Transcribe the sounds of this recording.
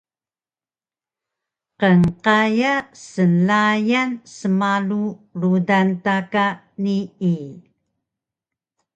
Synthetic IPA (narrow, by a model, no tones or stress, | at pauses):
qəŋqajasəlajansəmalurudantaka | nii